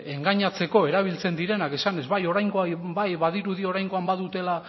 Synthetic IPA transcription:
e̞ŋɡaɲat͡se̞ko̞e̞ɾaβ̞ilt͡se̞nd̪iɾe̞nake̞sane̞zβajo̞ɾajŋɡoajbajβaðiɾuðio̞ɾajŋɡo̞ambaðut̪e̞la

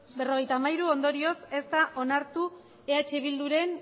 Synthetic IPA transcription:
be̞ro̞ɣe̞jt̪aːmajɾuo̞nd̪o̞ɾio̞se̞st̪aʔo̞naɾt̪u | e̞at͡ʃe̞β̞ild̪uɾe̞n

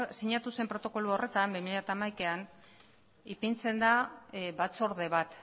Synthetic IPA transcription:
siɲat̪use̞mpɾo̞t̪o̞ko̞luo̞re̞t̪ambimiʎeat̪aːmajkean | ipint͡se̞nd̪aβat͡soɾðe̞βat̪

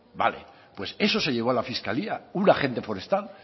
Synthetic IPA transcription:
ba̰le̞̰ | pwe̞se̞so̞se̞ʎe̞βoalafiskaliaunaχe̞nt̪efo̞ɾe̞st̪al

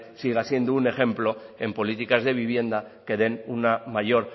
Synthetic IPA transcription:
siɣasje̞nd̪oune̞xẽ̞mplo̞e̞mpo̞lit̪ikazðe̞β̞iβ̞je̞nd̪ake̞ðe̞nunamaʝo̞ɾ

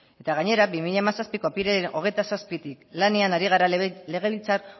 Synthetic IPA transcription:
e̞t̪aɣ̞aɲe̞ɾabimiʎaemasaspiko̞apiɾeno̞ɣ̞e̞jt̪asaspit̪iklane̞anaɾiɣ̞aɾale̞ɣ̞e̞βilt͡saɾ

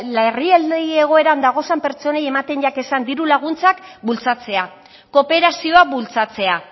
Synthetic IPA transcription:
lerield̪ee̞ɣ̞o̞e̞ɾand̪aɣ̞o̞sampe̞ɾt͡ʃo̞nejemat̪e̞nʝake̞sand̪iɾulaɣ̞unt͡sakbult͡sat͡se̞a | ko̞pe̞ɾasio̞abult͡sat͡se̞a

